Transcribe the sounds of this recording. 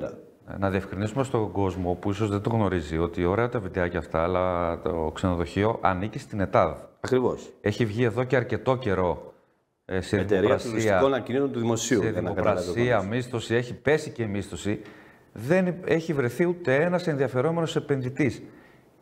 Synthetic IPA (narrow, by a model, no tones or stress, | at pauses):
nɐðie̞fkɾinisume̞st̪o̞ɡo̞zmo̞puiso̞zðed̪oɣno̞ɾizio̞t̪io̞ɾe̞ɐt̪ɐvit̪eɐceɐft̪ɐːlɐt̪okseno̞ðo̞çio̞ʔɐ̰nicist̪ine̞t̪ɐðɐɐkɾivose̞çivʝie̞ðo̞ce̞ɐɾce̞t̪o̞ce̞ɾo̞ | seðeit̪eoɾikɾɐsisɐkonɐcinisunt̪uðimo̞siueðmnkɾɐsiɐmist̪o̞sie̞çipe̞sice̞mist̪o̞si | ðe̞ne̞çivɾe̞θiut̪e̞e̞nɐse̞nðiɐfe̞ɾo̞me̞nose̞pe̞nðit̪is